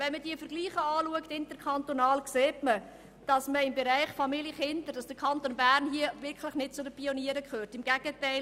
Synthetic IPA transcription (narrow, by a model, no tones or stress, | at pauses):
ʋɛnməd̥iəfəɾɡliːχəɑːluəktɪntəɾkʰɑntonɑːlkseːtmə | d̥ɑsməɪmbɛɾæɪχfɑmiljəχɪndəɾd̥ɑsd̥əkʰɑntoːnbæːrnɦiəvɪrkχlɪχnɪt̚t͡sʊdəpioniəɾəkʰχøːrtɪmɡ̥æɡ̥ətæɪl